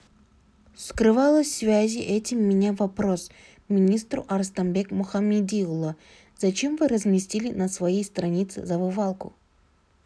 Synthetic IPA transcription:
skɾɨvalˠəsʲsvʲæzʲɪʔɛtʲɪmːʲɪnʲavɐpɾos | mʲɪnʲist̪ɾʊ̰ʔɐɾst̪ɐmbʲekmʊxɐmʲid̪ʲilˠə | z̥ɐt͡ɕe̞mvɨɾəzmʲisʲtʲilʲɪnəsvɐjejst̪ɾɐnʲit̪sɨ̰zɐvɨvalˠkʊ̰

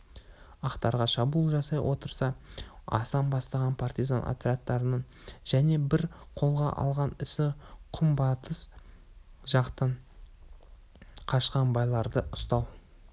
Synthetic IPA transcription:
ɑqt̪ɑɾʁɑʃɑbuːlˠʒɑsɑjwʔo̞t̪əɾsɑɑ̰sɑmbɑst̪ɑʁɑnpʰart̪izanʔa̰t̪ɾeat̪ːɑɾənəɴ | ʒ̥æne̞bɪɾqʰo̞lˠʁɑ̰ʔɑ̰lˠʁɑnɪsɪqʰʊmbɑt̪əs | ʒɑqt̪əɴ | qʰɑʃqɑnbɑjlˠɑɾd̪əʔʊst̪ɑw

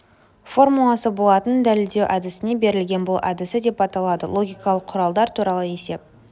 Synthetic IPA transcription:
fo̞rmulˠɑsəbolˠɑt̪ənd̪ælɪld̪e̞wʔæd̪ɪsɪne̞be̞ɾɪlɡʲe̞nbʊlˠʔad̪ɪsɪd̪e̞pɑt̪ɑlˠɑd̪ə̰lˠo̞ɡʲijkɑlˠəqʰːʊɾɑlˠd̪ɑɾt̪ʰuɾɑlˠəe̞se̞p̚

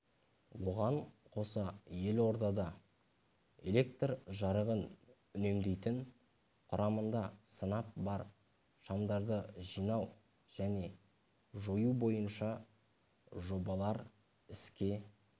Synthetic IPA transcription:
wo̞ʁɑɴqʰo̞səje̞lwo̞ɾd̪ɑd̪ɑ | e̞le̞k̚t̪rʒɑɾəʁən | ʏne̞md̪e̞jt̪ɪŋ | qʰʊɾʔɑmənd̪ɑsənɑp̚bɑɾ | ʃɑmd̪ɑɾd̪əʒijnɑw | ʒ̥æne̞ | ʒojubo̞jənʃɑ | ʒo̞bɑlˠɑɾ | ɪskʲe̞

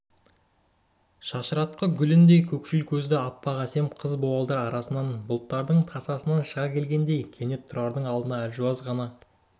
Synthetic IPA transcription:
ʃɑʃəɾɑt̪̚qəɡʲʏlɪnd̪e̞jkʲʰɵkʃɪlkʲʰɵzd̪ɪɑpːɑʁæse̞mqʰəzbowɑlˠd̪ɑɾɑɾɑsənɑnbʊlˠt̪ːɑɾd̪əɴt̪ʰɑsɑsənɑnʃəʁɑkʲʰe̞lɡʲe̞nd̪e̞jkʲʰe̞ne̞t̪ʰːʊɾɑɾd̪əɴɑlˠd̪ənɑælʒuɑzʁɑnɑ

